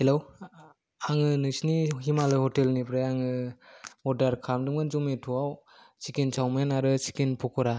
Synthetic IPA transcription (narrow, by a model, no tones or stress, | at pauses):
helow | aŋɯnɯsniɦimalɯjhɔtelnipʰɾajaŋɯmɔdaɾkʰamdɯmɡɯnzɔmetʰuaw | sikinsʰawmenaɾɯsi̥kinpʰɔkʰɔɾa